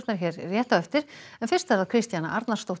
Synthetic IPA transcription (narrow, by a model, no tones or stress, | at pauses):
t̪naɾ̥çjɛɾrjɛːht̪aɛft̪ɪɾ̥ɛnfɪ̥st̪aðvaɾkʰɾɪst̪jana̰ʔaɾt̪naɾ̥st̪owht̪